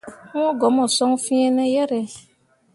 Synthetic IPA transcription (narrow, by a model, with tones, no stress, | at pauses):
ɔ̃˦ɡɔ˨˦mɔ̃˨sɔ̃˦ŋ˦fĩ˦ɛ˦nɛ̃˦jɛ˦ɾɛ˨